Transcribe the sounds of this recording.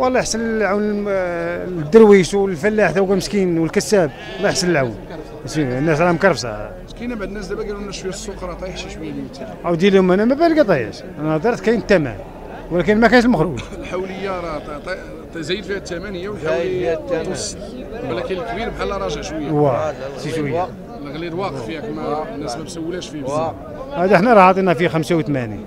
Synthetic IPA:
wɑlˤːɑjħsəlʕawn | d̪ːəɾwiʃwlfælːaħt̪æwkæməskinwəlkəsːæb̚ | wlːɑjħsələlʕawn | sinːæs̬ɾˤɑmkɑɾˤfsɑ̰ | kænæbaʕd̪ənːæsd̪æbæɡæɾnːæʃwiæsːoqɾˤɑt̪ˤɑjħʃiʃwəjːælmt̪ːæmæwd̪jælhʊmænæmæbælɡæt̪ˤɑjæ̰ʃ | ʔænæd̪ˤɑɾˤt̪kæjnət̪ːæmæ̰n | wlækənmækænʃ̬əlməxɾuʒlħawləjːaˤt̪ˤ | zæjːəd̪fihæt̪ːæmænəjːæwəlħawt̪ːms | wlækənlkbiɾbħalːɑɾˤɑʒæʃwəjːawæt̪iʃwəja | lɣliɾwɑqfihækmænːæsmæbsæwːlæʃfibz | hæd̪iħnæɾˤɑhɑt̪ˤinæfixæmsawt̪mænḭ

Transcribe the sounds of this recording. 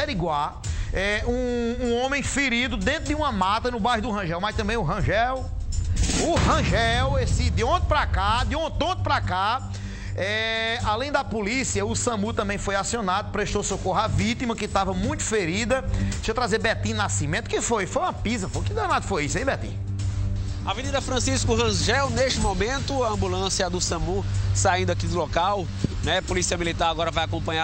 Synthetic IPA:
ɛɾiɡwa | ɛũũõmẽj̃feɾid̪ʊd̪ẽnt̪ɾʊd̪ɪũɐmat̪ɐnʊbajɦʊd̪ʊɦɐ̃ʒɛwmajʃt̪ɐ̃bẽj̃ʊɦɐ̃ʒɛw | ʊhɐ̃ʒɛwesɪd̪ɪõt̪ɪ̥pɾakad̪ɪõt̪̚õt̪ɪpɾaka | ɛalẽj̃d̪ɐpolisiɐʊsɐ̃mut̪ɐ̃mbẽj̃fojasiõnad̪ʊpɾeʃt̪osokoɦavit̪imɐkɪt̪avɐmũj̃t̪ʊ̥feɾid̪ɐʃewt̪ɾazebɛt̪ĩnasimẽt̪ʊkɪfojfojũmɐpizɐfokɪd̪anad̪ʊfojisʊẽbɛt̪ḭ̃ | ɐvenid̪ɐfɾɐ̃siskʊɦɐ̃zʒɛwneʃt͡ʃɪmomẽnt̪ʊɐɐ̃mbulɐ̃sjɐd̪ʊsɐ̃musaĩnd̪ʊakid̪ʊlɔkaw | nɛpolisiɐmilit̪aɾaɡɔɾɐvajakõpɐ̃ɲ̃a

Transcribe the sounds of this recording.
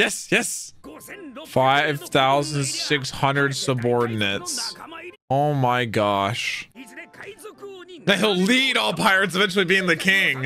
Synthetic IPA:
jɛsjɛs | faɪv̥θaʊzə̃ndsɪkshʌ̃ndɹɨdsəbɔɹdⁿn̩ɨts | oʊmaɪɡɑʃ | nahilˠliɾɔlˠpʰaɪɹɨtsɨvɛ̃nt͡ʃʉl̩ˠibiɪ̃ŋðɨkʰɪ̃ŋ

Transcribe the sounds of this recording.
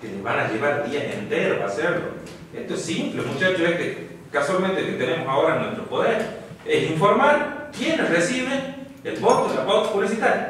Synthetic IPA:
keleβanaʝeβaɾald̪iaḛnt̪eɾoaseɾlo̰ | est̪oesːimplemut͡ʃat͡ʃosehke | kaswalmẽnt̪eoket̪ene̞mosaoɾanwest̪ɾopo̞ðeɾ | esiɱfo̞ɾmaɾkjenlesresiβeŋ | elβot̪oslaβowt̪o̥puβlisit̪aɾja

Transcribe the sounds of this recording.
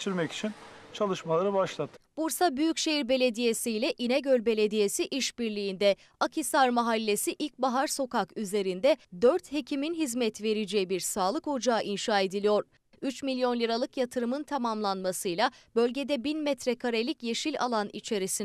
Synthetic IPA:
t͡ʃʰiɾmɛci̥t͡ʃʰint͡ʃʰalˠɯʃmalˠaɾɯbaʃlˠat̪ʰːb̥uɾsabyjycʃe̞jiɾbe̞lʲe̞d̪ije̞sijlʲɛʔinɛɟølʲbe̞lʲe̞d̪ije̞siʔiʃbiɾlʲijːnd̪ɛ | akʰisaɾmaɦalʲːe̞siʔilʲc̚baɦaɾso̞kakyze̞ɾind̪ɛd̪øɾt̪he̞cʰiminɦizmɛt̪ve̞ɾid͡ʒɛjibiɾsaːlˠɯkho̞d͡ʒaːʔinʃaːe̞d̪ilʲijo̞ɾ̥ | yt͡ʃmilʲijo̞nlʲɯɾalˠɯkjat̪ʰɯɾɯmɯnt̪ʰamamlˠanmasɯjlˠabø̞lʲɟe̞d̪ɛbinmɛt̪ɾɛkʰaɾelʲicje̞ʃilʲa̰lˠanḭt͡ʃʰe̞ɾisin

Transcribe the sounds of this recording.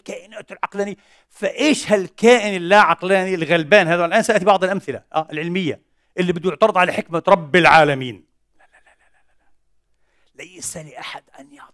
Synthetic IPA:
lkaːʔɪnaːt̪ɪlʕɑqlaːni | faʔeːʃhalkaːʔɪnɪlːaʕɑqlaːnilɣalbaːnhaːðawalʔaːnsaʔt̪ibɑʕd̪ˤɪlʔamθɪla̰ʔaːʔɪlʕɪlmɪjːa̰ | ʔɪlːibɪd̪ːjʊʕt̪ɑɾˤɨd̪ˤʕalaħɪkmaɾˤɑbːɪlʕaːlamiːn | alalalala | lajsalɪʔaħad̪ʔanjɑʕt̪ˤ

